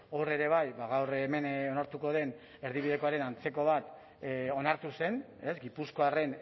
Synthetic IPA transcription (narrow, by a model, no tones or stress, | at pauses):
ore̞ɾe̞β̞ajβaɣawreme̞no̞naɾt̪uko̞ð̞e̞n | e̞ɾðiβiðe̞ko̞aɾe̞nant͡se̞ko̞β̞at̪ | o̞naɾt̪use̞n | e̞zɡipusko̞are̞n